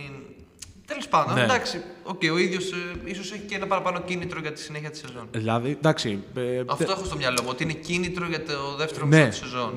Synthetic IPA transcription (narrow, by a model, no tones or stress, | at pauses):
t̪elo̞spɐnd̪ond̪ɐksio̞ce̞io̞iðʝo̞siso̞seçicenɐpɐɾɐpɐno̞cinit̪ɾoʝɐt̪i̥sine̞çiɐt̪i̥sezo̞nlɐðid̪ɐksiɐft̪o̞exost̪o̞mɲɐlo̞muo̞t̪iine̞cinit̪ɾo̞ʝɐt̪oðeft̪eɾoneɐt̪isezo̞n